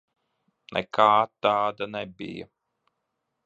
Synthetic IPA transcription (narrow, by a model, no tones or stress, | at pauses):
nɛ̰kʰaːt̪ːaːd̪anɛbḭja̰